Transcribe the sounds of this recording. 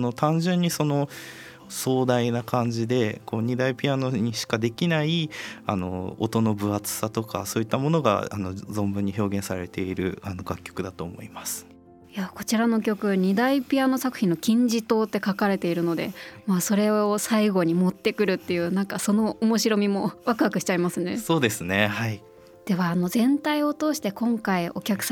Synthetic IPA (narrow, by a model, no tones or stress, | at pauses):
no̞t̪ãɲd͡ʑɨ̃ɲ̟ːiso̞no̞ | so̞ːd̪ainakʰãɲ̟d͡ʑid̪e̞ko̞ːɲ̟id̪aipʲianoɲ̟iɕi̥kad̪e̞kʲinaiano̞̰o̰t̪o̞no̞bɯ̟at͡sɨ̥sat̪o̞ka̰so̞ːit̪ːamo̞no̞ɡa̰a̰no̞zõ̞mbɯ̟ɲ̟ːiço̞ːɡẽ̞ɰ̃saɾe̞t̪e̞iɾɯ̟̰ano̞ɡakʲːo̞kɯ̟d̪at̪o̞ːmo̞̰imasɨ̥ | jako̞t͡ɕiɾano̞kʲo̞kɯ̟ɲ̟id̪aipʲiano̞sakɯ̟çʲĩnːo̞kʲĩɲ̟d͡ʑit̪o̞ːt̪ːe̞kakaɾe̞t̪e̞iɾɯ̟no̞d̪e̞̰maso̞ɾe̞o̞saiɡo̞ɲ̟imo̞t̪ːe̞kɯ̟ɾɯ̟t̪ːe̞jɯ̟ːnãŋkaso̞no̞omo̞ɕiɾo̞mʲimo̞βakɯ̟βakɯ̟ɕi̥t͡ɕaimasɨne̞so̞ːd̪e̞sɨne̞hai | d̪̥e̞βaːno̞zẽ̞nt̪aio̞t̪o̞ːɕi̥t̪e̞kõ̞ŋkaio̞kʲakɯ̟̥s